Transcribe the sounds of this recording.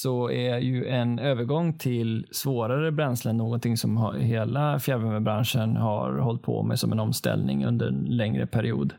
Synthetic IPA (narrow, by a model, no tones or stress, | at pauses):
sɔæjɵɛnøːvəɾɡɔŋːt̪ʰɪlsvoːɾaɾəbɾɛnslənːoːɡɔnt̪ʰɪŋːsɔmhɦeːlafjæɾvœməbɾanʂənhaɾhɔlt̪̚pʰɔ̰mɛ̰sɔmɛnɔmst̪ɛ̰lnɪ̰ŋɵ̰nd̪əɾɛnlɛŋɾə̰pʰæɾɪṵːd̪